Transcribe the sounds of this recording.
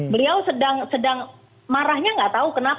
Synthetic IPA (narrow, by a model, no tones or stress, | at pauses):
bəliawsədaŋsədaŋ | maɾaɦɲaŋɡaʔt̪aukənap